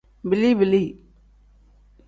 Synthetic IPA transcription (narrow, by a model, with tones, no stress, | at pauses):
bɪli˦bɪli˦